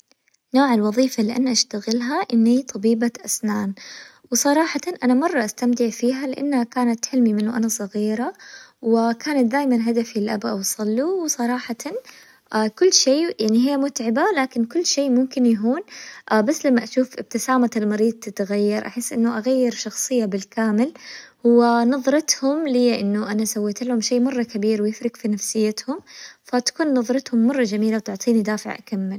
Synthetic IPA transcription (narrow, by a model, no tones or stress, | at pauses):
noːʕalwɑðˤiːfalɪʔanːʔaʃt̪aɣɪlɦaʔɪnːit̪ˤʰɑbiːbaʔasnaːn | wsˤɑɾˤɑːħɑt̪nʔanamɑrˤːɑʔast̪amt̪ɪʕfiːɦalɪʔanːhakaːnat̪ħɪlmimɪnːʊʔanasˤɑɣiːɾawɪkaːnat̪̚d̪aːjmanɦad̪afilʔa̰bʔɑwsˤɑlːuwɪsˤɑɾˤɑːħɑt̪ɑn | ʔaːkʊlːʃeːjaʕniɦɪjːamʊt̪ʕɪbalaːkɪnkʊlːʃeːmʊmkɪnjaɦuːnʔabasːlamːaʔaʃuːfʔɪb̚t̪ɪsaːmaɪlmɑɾiːd̪̚ˤt̪ɪt̪ɣajːɑɾˤʔaħɪsːʔɪnːʊʔaɣajːɪɾʃɑxsˤɨjːabɪlkaːmɪlhʊwːanɑðˤɾˤɑt̪hʊmlɪjːaʔɪnːʊʔanasawːiːt̪ɪlhʊmʃeːʔmɑrˤːɑkabiːɾwɪjɪfɾɪkfinafsɪjːat̪hʊmfat̪ḁkuːnːɑðˤɾˤɑt̪hʊmːɑrˤːɑd͡ʒamiːlawt̪ʊʕt̪ˤiːnid̪aːfɪʕʔa̰kamːɪl